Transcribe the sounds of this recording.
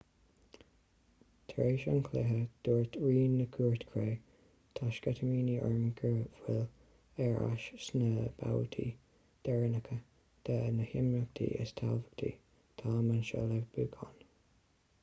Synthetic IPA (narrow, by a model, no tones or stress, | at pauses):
t̪ʰɾeːʃənkʰlɛɦəd̪̥uːɹt̪ʰɹiːnːəkʰuːɹt̪kʰɹeː | t̪ʰaʃɡ̥ɛt̪ʰəmiːniɔɹmɡəvwɪl | ɛɹa̰ʃsnəb̥a̰wət̪ʰḭː | d̪̥ɛɹənəkʰə | d̪̥ʰənəhɪmɹək̚t̪ʰḭːʔə̰st̪ʰalvəkt̪ʰḭː | t̪ʰaːmənʃə̰lɛvbuːkʰɔn